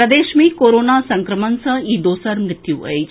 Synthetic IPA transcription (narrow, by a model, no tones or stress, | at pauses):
ɾɐd̪eːʃmiːkoːɾoːnasɐŋkɾəmənsɐ̃iːd̪oːsəɾmɾɪt̪juːʔə̰j